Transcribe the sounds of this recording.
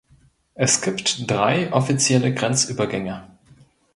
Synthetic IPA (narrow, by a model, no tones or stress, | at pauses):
ʔɛsɡ̥iːptd̥ʁaɪʔɔfit͡sjɛləɡʁɛnt͡sʔyːbɐɡɛŋə